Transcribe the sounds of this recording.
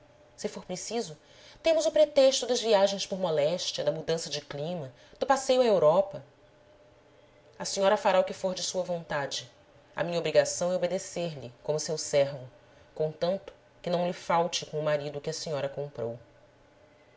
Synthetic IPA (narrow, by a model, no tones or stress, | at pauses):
sɪfoɾpɾesizʊ | t̪ẽmʊzʊpɾet̪eʃt̪ʊd̪ɐzviaʒẽj̃spʊɾmɔlɛʃt͡ʃiɐd̪ɐmud̪ɐ̃sɐd͡ʒɪklĩmɐ | d̪̥ʊpasejʊaewɾɔpɐ | ɐsĩɲɔɾɐfaɾaʊkɪfoɾd͡ʒɪsuɐvõnt̪ad͡ʒɪ | ɐ̰mĩɲɐobɾiɡasɐ̃w̃ɛobed̪eseɾlɪkõmʊsewsɛɾvʊ | kõt̪ɐ̃nt̪ʊ̥ | kɪnɐ̃w̃lɪfawt͡ʃɪkõw̃ʊmaɾid̪ʊkɪɐsiɲɔɾɐkõpɾo̰w